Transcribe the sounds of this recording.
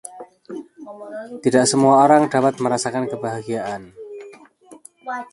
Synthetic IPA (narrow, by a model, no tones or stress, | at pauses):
t̪idaʔsəmuaoɾaŋda̤pat̪̚məɾasakankəbaɦaɡiaʔan